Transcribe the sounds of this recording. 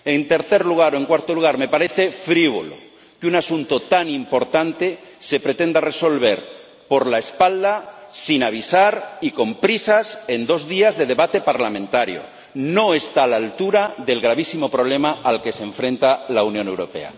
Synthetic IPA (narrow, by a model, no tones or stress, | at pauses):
e̞nt̪e̞ɾθeɾluɣ̞aɾoeŋkwaɾt̪oluɣaɾme̞paɾeθefɾiβ̞o̰lo̰ | kunasunt̪ot̪animpo̞ɾt̪ant̪ese̞pɾet̪end̪areso̞lβe̞ɾ | po̞ɾlaespald̪asinaβ̞isaɾiko̞mpɾisase̞nd̪o̞zðiazðe̞ð̞e̞βat̪e̞paɾlamẽnt̪aɾjo̰ | noest̪aːlalt̪uɾaðe̞lɣɾaβ̞isimo̞pɾoβ̞lemaalkeseɱfɾẽ̞nt̪alaunjone̞wɾo̞̰pe̞̰a̰